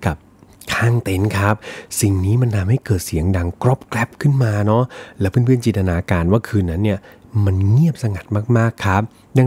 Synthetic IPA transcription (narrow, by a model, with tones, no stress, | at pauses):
ka˨˩p̚ | kʰaː˥˩ŋt̪e˦˧˥nkʰa˦˥p̚si˨˩ŋniː˦˥ma˧nt̪ʰa˧mha˥˩jkɤː˨˩t̪̚si˨˩˦əŋda˧ŋkɾɔ˦˥p̚klɛ˦˥p̚kʰɯ˥˩nmaː˧nɔ˦˥lɛː˦˥pʰɯː˥˨npʰɯ˥˩nt͡ɕi˨˩t̪a˧aː˧kaː˧nwaː˥˩kʰɯː˧nːa˦˥nːi˥˩ɐma˧nŋi˥˩əp̚sa˧ŋa˨˩t̪̚maː˥˩k̚maː˥˩kʰːa˦˥p̚ | da˧